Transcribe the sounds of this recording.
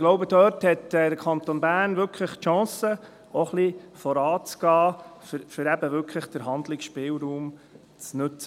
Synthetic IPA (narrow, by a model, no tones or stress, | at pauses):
ɡ̥loʊbəd̥̪øːɾthɛtɛd̥̪əkʰɑnt̪onbæːɾnʋʏɾkʰləχtʃɑ̃ːsə | ɔχlifɔɾɑːt͡sɡ̥ɑːfəɾfʏɾæbəʋʏɾkʰləχd̥əɾɦɑnd̪lɪksʃpɪːlɾuːm | t͡snɵt͡sə